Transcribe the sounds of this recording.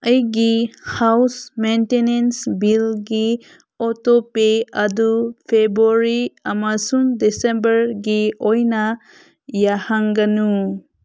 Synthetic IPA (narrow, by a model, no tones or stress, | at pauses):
əjɡihawsmentenensbilɡi | ɔtopeadupʰebɾuɾiamasuŋdesembəɾɡiojna | jahaŋɡanu